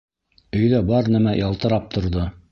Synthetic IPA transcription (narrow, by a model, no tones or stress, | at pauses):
ɵ̆jðæbɑɾnæmæjɑlˠt̪ɤ̆ɾɑp̚t̪ʰŏɾðo